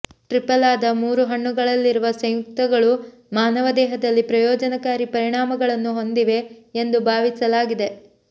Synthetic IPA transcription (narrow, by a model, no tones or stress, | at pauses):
ʈɾipɐlaːd̪ɐmuːɾuɦɐɳːuɡɐɭɐlːiɾuʋɐsɐ̃jjuk̚t̪ɐɡɐɭu | maːnɐʋɐd̪ɛːɦɐd̪ɐlːipɾɐjɔːd͡ʒɐnɐkaːɾipɐɾiɳaːmɐɡɐɭɐnːuɦo̞nd̪iʋe̞ːnd̪ubʱaːʋisɐlaːɡid̪e̞